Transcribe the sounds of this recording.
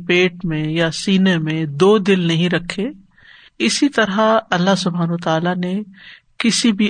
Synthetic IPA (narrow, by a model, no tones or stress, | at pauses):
peːʈmẽjasiːnemẽd̪oːd̪ɪlnɐɦĩɾɐkʰːe | ɪsit̪ɐɾaɐlːaɦsʊbʱaːnət̪aːlane | kɪsibʱi